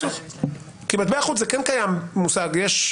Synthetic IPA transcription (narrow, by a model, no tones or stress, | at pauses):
kimat̪̚beaχut͡szekenkajammusaɡjeʃ